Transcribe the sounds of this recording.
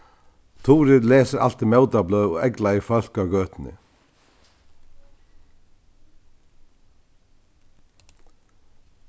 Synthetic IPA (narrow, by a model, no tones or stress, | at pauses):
t̪ʰuːɾɪðlɛːsɪɾa̰l̥t̪imɛwt̪ablœɔ̰ɛklaɪfœl̥kawɡœːt̪nɪ̰